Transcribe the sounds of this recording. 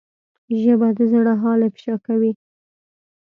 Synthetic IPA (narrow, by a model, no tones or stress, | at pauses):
ʒəbad̪əzɽaɦɑlepʃɑkawi